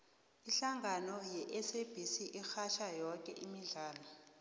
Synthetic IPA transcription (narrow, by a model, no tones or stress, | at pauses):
iɬaŋɡanɔjɛʔɛseb̥ʱisiʔixaʃajɔkʼɛʔimiɮaːlɔ